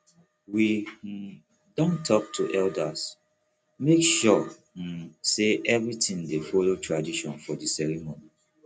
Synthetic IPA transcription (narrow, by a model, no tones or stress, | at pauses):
wi | dɔ̃ntʰɔktʰuʔɛldas | mekʃɔ | seʔɛvɹitĩndefolotʰɹadiʃɔ̃nfɔdisɛɹimoni